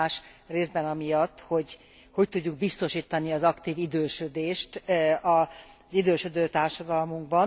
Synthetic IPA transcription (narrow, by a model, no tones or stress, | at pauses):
ʃreːzd̪bɛnɒmijɒt̪ːho̞ɟ | ho̞ct̪uɟːuɡ̚bist̪o̞ʃiːt̪ɒniɒzɒkt̪iːvid̪øːʃød̪eːʃt̪ɒzid̪øːʃød̪øːt̪aːrʃɒd̪ɒlmuŋɡbɒn